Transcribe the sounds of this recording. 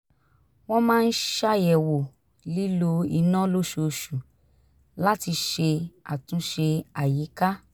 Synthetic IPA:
w̃ɔ̃˦mãː˦n̩˦ʃa˦jɛ˨wo˨ | li˦lo˦i˧nã˦lo˦ʃo˨˧˨ʃu˨ | la˦ti˧ʃe˧a˨tũ˨˦ʃe˧a˨ji˨˦ka˦

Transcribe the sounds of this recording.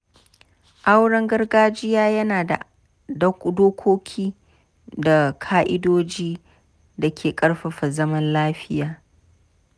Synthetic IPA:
ʔa˦wɽɐ˦ŋɡɐ˦rɡaː˦d͡ʒɪ˦jaː˦jɐ˦naː˨da̰˨ | dɐ˦kdoː˦kʷoː˦kʲʰiː˦ | da˨kʰaː˦ʔɪ˦doː˦d͡ʒiː˦ | da˨kʲʰeː˨kʼɐ˦ɽɸɐ˨ɸa˨zɐ˦mɐ˦nlaː˦ɸɪ˦jaː˨

